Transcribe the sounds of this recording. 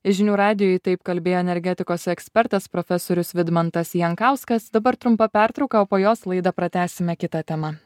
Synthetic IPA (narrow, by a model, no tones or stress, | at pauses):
ɪʒʲɪnʲuːɾɑːd̪ʲɪjoːit̪ɐɪpkɐlʲbʲeːjoːɛnʲɛɾʲɡʲɛt̪ʲɪkoːsʲɛksʲpʲɛɾt̪ɐspɾoːfʲɛsoːɾʲʊsʋʲɪd̪mɐnt̪ɐsjɛŋkɑˑʊskɐsd̪ɐbɐɾt̪ɾʊmpɐpʲæɾt̪ɾɒʊkɐoːpoːjoːslˠɐɪd̪ɐpɾɐt̪ʲæːsʲɪmʲɛkʲɪt̪ɐt̪ʲɛmɐ